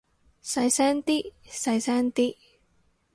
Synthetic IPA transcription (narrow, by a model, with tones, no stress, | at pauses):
sa˧jsɛ˥nt̪i˦ʔsa˨˧˩jsɛ˥nt̪i˦˥ʔ